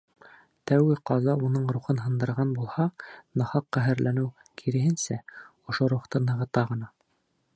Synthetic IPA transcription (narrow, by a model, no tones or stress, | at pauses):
t̪æwɡɘqɑzɑunɤɴɾuχɤnɦɤ̆nd̪ɤ̆ɾʁɑnbulˠhɑnɤ̆hɑqːæɦɘ̆ɾlʔænɘw | kʰiɾɘ̆ɦɘ̆nsæŏʃoɾuχt̪ɤnɤ̆ʁɤ̆t̪ɑʁɤ̆nɑ